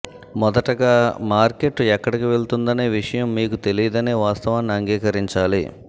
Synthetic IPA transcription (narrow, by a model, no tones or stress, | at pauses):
mɔd̪ɐʈɐɡaːmaːɾke̞ʈɛkːɐɽikiʋe̞ɭt̪und̪ɐneːʋiʂɐjɐmːiːkut̪e̞lijɐd̪ɐneːʋaːst̪ɐʋaːnːɐŋɡiːkɐɾiɲt͡ʃaːlḭ